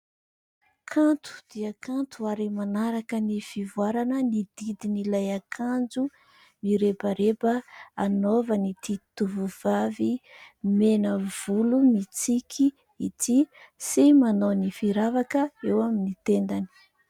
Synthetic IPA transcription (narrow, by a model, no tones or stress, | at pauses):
kʰant̪u̥d̪̥iəkʰant̪uaɾimanaɾakənifivuaɾanənid̪̥id̪inilajakʰand͡zu | miɾepəɾepəanovənit̪it̪uvuvavimenəv̥ulumit͡sikʲʰi | it̪ʰi | simanownifiɾavakəewaminit̪end̪ani̥